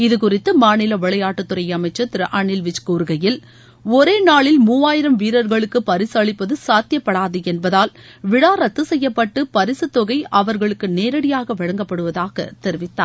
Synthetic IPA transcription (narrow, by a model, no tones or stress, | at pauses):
ɪðɯkʊrɪt̪ːɯmaːnɪlɐʋɪɭɐjaːʈːɯt̪ːɯɾɐjɐmɐɪt͡ʃːɐt̪ːɪɾɐʔɐɳɪlʋɪt͡ʃkuːɾɯɣɐjɪl | ɔɾeːnaːɭɪlmuːʋaːjɪɾɐmʋiːɾɐɾɣɐɭɯkːɯpɐɾɪsɯɐɭɪpːɐðɯsaːt̪jɐpːɐɽaːðɯɛnbɐðaːl | ʋɪɽaːɾɐt̪ːɯsɛjːɐpːɐʈːɯpɐɾɪsɯt̪ːɔɣɐɪʔɐʋɐɾɣɐɭɯkːɯneːɾɐɽɪjaːɣɐʋɪɻɐŋɡɐpːɐɽɯʋɐðaːɣɐ̰t̪ɛɾɪʋɪt̪ːaːɾ